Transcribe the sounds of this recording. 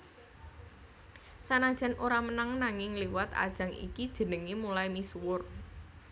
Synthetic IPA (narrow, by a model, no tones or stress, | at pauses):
sanad̥ʒ̥a̤nʔoɾamənaŋnaŋɪŋliwat̪a̰d̥ʒ̥ä̤ŋḭkid̥ʒ̥ə̤nəŋimulajmiswʊr